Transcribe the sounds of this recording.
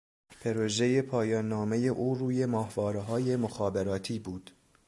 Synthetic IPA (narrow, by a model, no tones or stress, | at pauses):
pʰe̞ɾoʒe̞je̞pʰɒːjɒːnːɒːme̞je̞ʔuːɾuːje̞mɒːhvɒːɾeɦɒːje̞moxɒːbeɾɒːt̪ʰiːbuːd̪̥